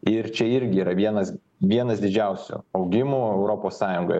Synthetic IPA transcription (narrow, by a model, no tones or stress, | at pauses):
ɪɾt͡ʃʲɛɪɾʲɡʲɪiːɾɐʋʲiɛnɐs | ʋʲiɛnɐsd̪ʲɪd͡ʒʲɛʊsʲʊ̰ɐʊɡʲɪmuːɛʊɾoːpoːssɑːjʊŋɡo̰